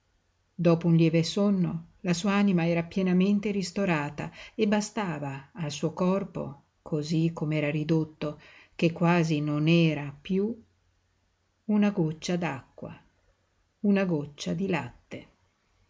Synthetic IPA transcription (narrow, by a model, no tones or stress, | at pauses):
d̪ɔːpounljɛːvesonːolasuːaaːnimaɛːɾapjɛnament̪eɾist̪oɾaːt̪a̰ebːast̪aːvaːls̬uːokɔrpo̰ | kʰozikʰːomeɛːɾaɾid̪ot̪ːok̟ekːwaːzinonɛːɾapju | unaɡot͡ʃːad̪akːwa̰ | unaɡot͡ʃːad̪ilat̪ːe